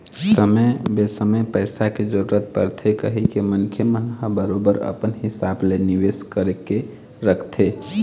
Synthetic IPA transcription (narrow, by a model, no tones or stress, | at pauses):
səməjbesəməjpəɪsaked͡ʒəɾuɾət̪̚pə̰ɾt̪ʰekəɦikemənkʰjəmənɦəbəɾobəɾə̰pənɦɪsableniʋeskəɾeke | ɾəkʰt̪ʰe